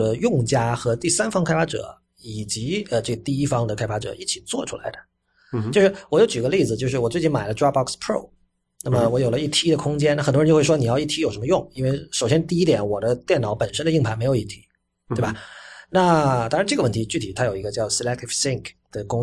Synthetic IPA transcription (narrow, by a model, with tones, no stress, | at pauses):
ə˦jʊ˥˧ŋt͡ɕja˥xɤ˧˥t̪i˥˩sa˥nfɑ˥ŋkʰa˥ɪfa˥ʈ͡ʂɤ̰˨˩˦ | i˨˩t͡ɕi˧˥ə˧ʈ͡ʂɤ˥˩ɡə˩t̪i˥˩i˥fɑ˥ŋd̪ə˨kʰa˥ɪfa˥ʈ͡ʂɤ̰˨˩˦i˥˩t͡ɕʰi˨˩t͡swɔ̰˥˩ʈ͡ʂʰu˥la̰˨˧˥ɪd̪ə˧ | t͡ɕo˥˧ʊʂɻ̩˥˩wɔ˧˩jo˧˥t͡ɕy˨˩ɡə˦li˥˩d͡zɹ̩˩t͡ɕjo˥˧ʊʂɻ̩˥˩wɔ˨˩t͡swe˥˧ɪt͡ɕi˥˩nma˨˩ɪlə˦ʈ͡ʂɹa˥bɑ˥˩kspʰɹo˥˩ʊ | na˥˩mə˨˧wɔ˧˥jo˨˩ʊlə˦i˥˩t̪ʰi˥d̪ə˨kʰʊ˥ŋt͡ɕjɛ˥na˥˩xt̪wo˥˧˥ʂwɔ˥ni˨˩jɑ˥˧ʊi˥˩t̪ʰi˥jo˨˩ʊʂə˧˥mə˧jʊ˥˩ŋi˥nwe˥˩ɪʂo˨˩ʊɕjɛ˥nt̪i˥˩i˥t̪jɛ˨˧˥nwɔ˨˩d̪ə˦t̪jɛ˥˩nɑ˨˩˦ʊpə˨˩nʂə˥nd̪ə˧i˥˩ŋpʰa˧˥ɪme˧˥ɪo˨˩ʊi˥˩t̪ʰi˧˥˦ | t̪e˥˩ɪa˨˩na˥˧t̪ɑ˥ŋɻa˧˥ʈ͡ʂɤ˥˩əwə˥˩nt̪ʰi˧˥t͡ɕy˥˩t̪ʰi˨˩t̪ʰa˥jo˨˩ʊi˧˥ɡə˧t͡ɕjɑ˥˩ʊsi˧lɛ˥k̚t̪ʰi˥fsi˥ŋkd̪̥ə˩kʊ˥ŋ